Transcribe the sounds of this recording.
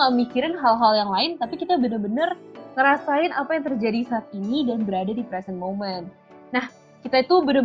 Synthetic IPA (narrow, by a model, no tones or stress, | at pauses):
əmikiɾanɦalɦaljaŋlaɪnt̪apikit̪abənərbənərŋəɾasaɪnʔapajaŋt̪ərd͡ʒadisaːt̪̚inidanbəɾadadipɾɛsənmomɛn | nah | kit̪ait̪ubənə